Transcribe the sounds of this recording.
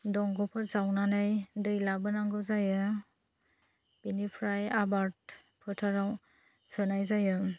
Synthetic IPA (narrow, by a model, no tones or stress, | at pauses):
dɔŋɡɔpʰɯɾzawnanajdɯjlabɯnaŋɡɯzajɯ | b̥inipʰɾajabaɾt̚ | pʰɯtʰaɾaw | sɯnajzajɯ